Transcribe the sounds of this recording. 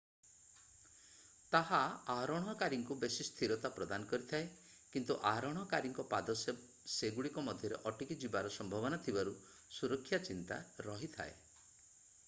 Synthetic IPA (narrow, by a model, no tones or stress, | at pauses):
t̪aɦaaɾɔɽ̃ɔkaɾiŋkubesist̪ʰiɾɔt̪apɾɔd̪anɔkɔɾit̪ʰae | kint̪uʔaɾɔɽ̃ɔkaɾiŋkɔpad̪ɔs | seɡuɭikɔmɔd̪ʱjɔɾḛʔɔʈikid͡ʒibaɾɔsɔmbʱɔbɔnat̪ʰibaɾu | suɾɔkʰːjat͡ʃint̪a̰ɾɔɦit̪ʰa̰e